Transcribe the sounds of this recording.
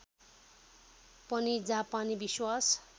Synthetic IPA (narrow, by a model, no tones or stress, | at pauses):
pʌnid͡zapanibiswas